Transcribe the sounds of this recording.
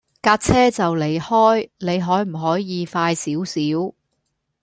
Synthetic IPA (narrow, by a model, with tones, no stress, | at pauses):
kaː˧t̚t͡sʰɛː˥t͡sɐ˨wle˨˩jhɔː˥jne˨˧jɦɔː˨˥jm̩˨˩ɦɔː˨˥jːiː˨˧faː˧jsiː˨˥wsiː˨˥w